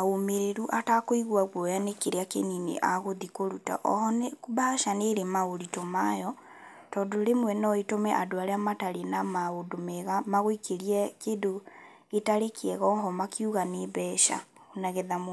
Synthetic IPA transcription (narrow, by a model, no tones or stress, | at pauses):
aomeɾeɾuʔatakoiɣwaɣwɔjanekeɾeakḛninḛʔaɣoðikoɾuta̰ʔɔ̰hɔnebaʃaneɾemaɣoɾitomajɔ | tɔːdoɾemwɛnɔetomɛʔadoaɾeamataɾenamaodomɛɣamaɣoikeɾiɛkedo | etaɾekʰeɛɣɔɦɔmakiuɣaneβɛʃa̰ɣonaɣɛðam